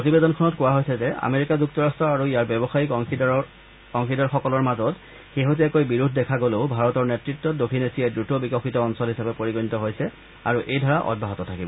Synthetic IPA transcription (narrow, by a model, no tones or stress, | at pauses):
pɹotibedɔnkʰɔnɔtkʊwaɦojsɛzɛa̰meɹikazuk̚tɔɹastɹɔaɹuijaɹbjɔbɔxajikɔŋid | kɔŋxidaɹxɔkɔlɔɹmazɔt | xeɦotiɛkojbiɹudʱdɛkʰaɡoleʊbʱaɹɔtɔɹnɛtɹitːɔtdokʰinesiɛdɹutɔbikɔxitɔːnsɔlɦisabɛpoɹiɡɔnitɔɦojsɛ | a̰ɹuʔejdʱɔɹaʔɔ̰d̚bʱaɦɔtɔtʰakibɔ